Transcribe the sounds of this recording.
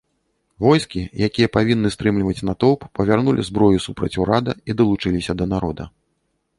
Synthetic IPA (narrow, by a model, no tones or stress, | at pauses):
vɔjskʲijakʲijɐpavʲinːɨst̪ɾɨmlʲivɐt͡sʲnat̪ɔwpːɐvʲarnulʲḭzbɾɔjusupɾɐt͡sʲuɾad̪ɐid̪ɐlˠut͡ʂɨlʲisʲɐd̪ɐnaɾɔd̪ɐ̰